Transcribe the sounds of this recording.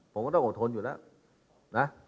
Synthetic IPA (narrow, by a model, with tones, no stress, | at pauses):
pʰo˨˩˦mkɔː˥˩t̪ɔ˥˩˨ʔo˨˩t̪ʰo˧njuː˨˩lɛː˦˥w | na˦˥